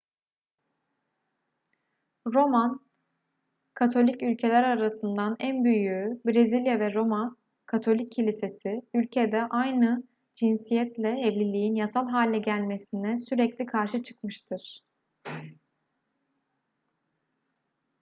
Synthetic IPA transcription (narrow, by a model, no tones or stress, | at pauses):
ɾo̞man | kʰat̪ʰo̞lʲicylʲcʰe̞lʲæɾaɾasɯnd̪anænbyjybɾezilʲjavɛɾo̞man | kʰat̪ʰo̞lʲicʰːilʲise̞siylʲcʰed̪ɛʔajnɯ | d͡ʒinsijɛt̪lʲɛɛvlʲilʲijinjasalˠɦaːlʲːɛɟælʲmesinɛsyɾɛclʲikʰaɾʃɯt͡ʃʰɯ̥kmɯʃt̪ʰɯɾ̥